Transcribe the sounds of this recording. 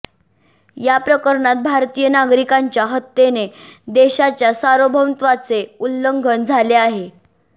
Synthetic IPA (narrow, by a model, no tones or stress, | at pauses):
japɾəkəɾɳat̪̚bʱaɾt̪ijənaɡɾikaɲt͡ɕjaɦət̪ːened̪eɕat͡ɕjasaɾobʱəwt̪ʋat͡seulːəŋɡʱənd͡zʱaleaɦe